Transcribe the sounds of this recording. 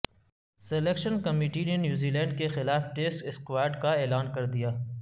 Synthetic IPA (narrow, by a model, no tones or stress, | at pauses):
selekʃənkɐmiːʈinenjuːziːlɛ̃ːɳɖkexɪlaːfʈeːsʈɪskwaːjɾɖkaeːlaːnkɐɾd̪ijaː